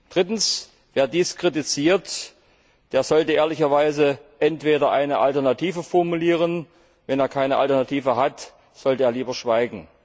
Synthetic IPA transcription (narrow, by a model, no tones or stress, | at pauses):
d̥ʁɪtn̩s | v̥eːɐdiːskʁ̥it̬it͡siːɐt | d̥eːɐzɔltəʔeːɐlɪçɐvaɪzəʔɛntv̥eːdɐʔaɪnəʔa̰ltɛɐnatʰiːvəfɔɐmuliːʁ̞ən | vɛneːɐkʰaɪnəʔa̰ltɛɐnatʰiːvəɦat | z̥ɔltəeːɐliːbɐʃv̥aɪɡŋ̩